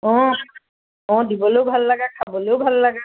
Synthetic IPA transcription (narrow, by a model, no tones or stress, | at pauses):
ɔ̃ | ɔ̃dibɔlobʱalːaɡakʰabɔlewbʱalːaɡa